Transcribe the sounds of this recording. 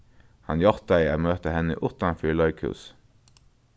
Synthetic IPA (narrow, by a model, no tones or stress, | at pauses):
hɑnjɑʁt̪æɪəmøːt̪əhɛnə̰ʔʊt̪ɑfyːlɑʏkʰʉ̰ːs